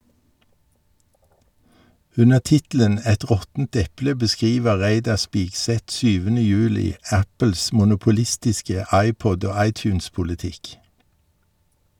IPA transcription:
ˈʉnəʁ ˈtɪtl̩ən ˈɛt ˈʁɔtn̩t ˈɛplə bəˈskʁiːʋə ˈʁæɪdɑʁ ˈspiːɡˌsɛt ˈsyːʋənə ˈjʉːlɪ ˈæpəls mʊnʊpʊˈlɪstɪskə ˈɑɪˌpɔd ˈoː ˈɑɪˌtjʉːnspʊlɪˌtɪk

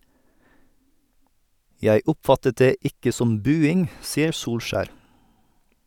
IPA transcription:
ˈjæɪ ˈʊpˌfɑtət ˈdeː ˈɪkə ˈsɔm ˈbʉːɪŋ ˈsiːəɾ ˈsuːlˌʃæːɾ

